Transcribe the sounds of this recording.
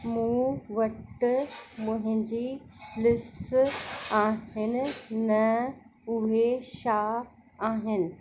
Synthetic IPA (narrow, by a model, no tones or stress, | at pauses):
mũːʋɐʈ | mʊ̃ɦɪ̃ɲd͡ʑiːlɪsʈsaːɦɪnɪ̆nɐ | ʊɦeʃaː | aːɦɪnɪ̆